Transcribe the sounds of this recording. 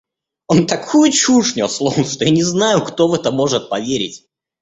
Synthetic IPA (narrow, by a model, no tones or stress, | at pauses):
ont̪ɐkʰujʊt͡ɕuʂnʲʊslˠomst̪ojanʲɪznajʊkt̪o̞vɛt̪əmo̞ʐɨt̪̚pɐvʲeɾʲɪtʲ